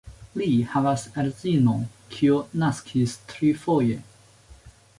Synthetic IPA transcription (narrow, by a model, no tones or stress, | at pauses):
lihavasaɾzinokʰionaskʰistɾifoje